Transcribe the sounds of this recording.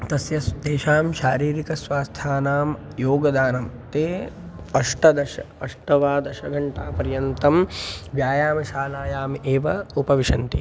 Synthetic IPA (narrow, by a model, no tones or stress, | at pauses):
t̪ɐsjɐsd̪eːʃaːmʃaːɾiːɾikɐsʋaːst̪ʰaːnaːm | joːɡɐd̪aːnɐmt̪eː | ɐʂʈɐd̪ɐʃɐɐʂʈɐʋaːd̪ɐʃɐɡʱɐɳʈaːpɐɾjɐnt̪ɐmʋjaːjaːmɐʃaːlaːjaːmeːʋɐupɐʋiʃɐnt̪i